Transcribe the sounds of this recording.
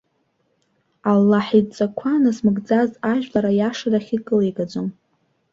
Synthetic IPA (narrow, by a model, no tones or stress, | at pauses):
alːaħit͡sʼakʷʰanasmɨɡd͡zazaʒᶣlaɾajaʂaraχʲikʼɨleɡad͡ʒʷom